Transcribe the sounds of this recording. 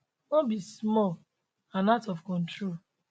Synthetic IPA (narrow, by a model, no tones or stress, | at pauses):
nɔbismɔl | ãnatɔfkɔ̃ntɾol